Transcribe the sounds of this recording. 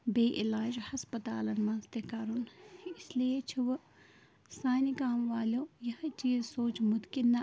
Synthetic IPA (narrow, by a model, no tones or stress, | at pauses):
beːʔɪlaːd͡ʒhɐspɐt̪a̰ːlɐnmɐ̃nzt̪ekaːɾunɪsliet͡ʃʰiʋ | saːnikaːmʋaːlõːjɐht͡ʃiːzsoːt͡ʃmʊt̪kinːɐ